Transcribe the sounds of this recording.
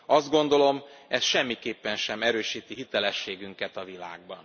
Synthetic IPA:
ɒzd̪̚ɡo̞n̪d̪o̞lo̞mɛsʃɛmːikeːpːɛnʃɛmɛɾøːʃiːt̪iɦit̪ɛlɛʃːeːɡyŋkɛt̪ɒvila̰ːɡ̚bɒn

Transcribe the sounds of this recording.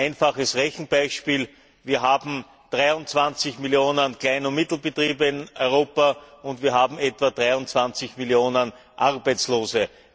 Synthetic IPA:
æɪnfaχəsʁɛçn̩b̥aɪʃpiːl | viːɐɦaːbm̩ | d̥ʁaɪʊnt͡sv̥ãnt͡sɪçmɪljoːnənklaɪnʊmɪt̪l̩bətʁ̥iːbəɪnɔʏʁoːpɐʊntv̥iːɐɦaːbm̩ɛtv̥adʁaɪʊnt͡sv̥ãnt͡sɪçmɪljoːnən | ʔaʁbæɪt͡sloːzə

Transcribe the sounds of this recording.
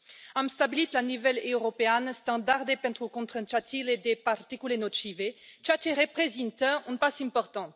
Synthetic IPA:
ãmst̪abilit̪lanuvɛløʁɔpeɛnst̪ɑ̃d̪aʁd̪epɛ̃t̪χukɔ̃t̪χə̃t͡ʃat̪iled̪epaʁt̪ikylenot̪ʃivet͡ʃat͡ʃeʁepχezĩnt̪əỹnpasɛ̃pɔʁt̪ɑ̃

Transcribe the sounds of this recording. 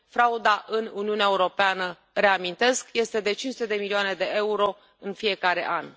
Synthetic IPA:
fɾaud̪aʔɨnuniuneaeuɾo̞peanə | re̞amint̪e̞skje̞st̪e̞d̪e̞t͡ʃinsut̪ed̪e̞milioane̞d̪e̞ʔe̞uɾo̞ | ɨnfije̞kaɾe̞̰ʔan

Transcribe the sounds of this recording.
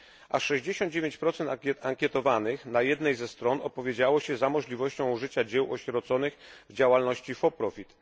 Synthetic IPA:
ʔaʂɛʑd͡ʑeɕɔnd̪̚d͡ʑevʲjeɲt͡ɕpɾɔt̪sɛnt̪aŋkʲɛt̪ɔvanɘxnajɛd̪nɛjzɛst̪ɾɔnɔpɔvʲjed͡ʑawɔɕɛzamɔʐlʲivɔɕt͡ɕɔ̃w̃ʐɘt͡ɕad͡ʑɛwɔɕɾɔt̪sɔnɘxvd͡ʑawalnɔɕt͡ɕifɔpɾɔfʲit̪

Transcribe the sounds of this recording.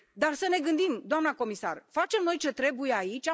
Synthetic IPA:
d̪arsəne̞ɡɨnd̪imd̪oamnako̞misa̰rfat͡ʃe̞mno̞jt͡ʃe̞t̪ɾe̞buje̞ait͡ʃʲa

